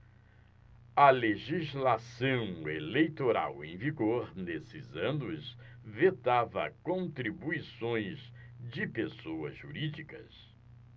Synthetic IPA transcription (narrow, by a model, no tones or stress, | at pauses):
ɐleʒizlasɐ̃w̃elejt̪oɾa̰wẽj̃viɡoɾnesɪzɐ̃nʊz | vet̪avɐ̰kõnt̪ɾibuisõj̃zd͡ʒɪpesowɐ̰zʒuɾid͡ʒikɐ̰s